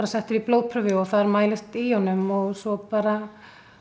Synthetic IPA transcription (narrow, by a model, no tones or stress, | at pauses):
ɾasɛht̪ɪɾiploːwpʰɾʏvɪɔθaðaɾmaːjlɪst̪ijɔnːʏmɔɣsɔpaːɾa